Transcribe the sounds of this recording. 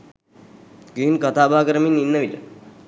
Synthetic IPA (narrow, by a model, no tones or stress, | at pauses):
ɡiːnkat̪aːbaːkəɾəminːinːəʋilə̰